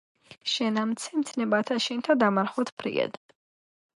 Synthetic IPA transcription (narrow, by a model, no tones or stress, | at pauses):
ʃɛnamt̪sʰɛmt̪sʰnɛbat̪ʰaʃɛnt̪ʰad̪amaɾχɔt̪ʰpʰɾḭɛ̰d̪